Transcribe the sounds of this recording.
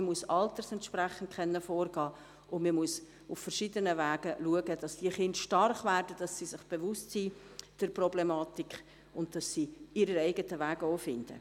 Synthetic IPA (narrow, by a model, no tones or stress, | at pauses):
muəsɑltəɾsɛntʃpræχən̩t̚kʰχɛnːəfɔːrɡɑː | ʊnməmuəs | uffəɾʃidənəvæːɡəluəɡəd̥ɑsd̥iəχɪndʃtɑrχvæːrdəd̥ɑsːiːsɪχb̥evʊstsiːd̥əɾprɔblemɑːtikχ | ʊntd̥ɑsːiːiɾəɛɪɡətəʋæːɡoːfɪnd̥ə̰